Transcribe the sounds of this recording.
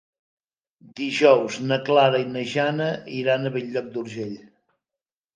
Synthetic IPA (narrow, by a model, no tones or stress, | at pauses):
d̪iʒɔwznəklaɾəinəʒanəiɾanəβɛʎːɔk̚d̪uɾʒeʎ